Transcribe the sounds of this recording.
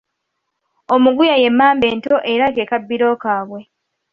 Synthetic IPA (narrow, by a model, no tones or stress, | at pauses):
o̞muɡujaje̞mːaːmbe̞ːnto̞ʔe̞ɾake̞ːkabːiɾo̞ːkaːβwe̞